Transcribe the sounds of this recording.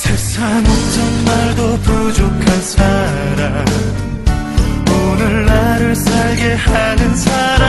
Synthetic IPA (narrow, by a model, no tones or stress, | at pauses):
sʰek̚s͈ʰamot͡ɕʰʌnmaɭdopud͡ʑokʰansʰa | ɾam | onɯɭːaɾɯɭsʰaɭɡe̞hanɯnsʰaɾa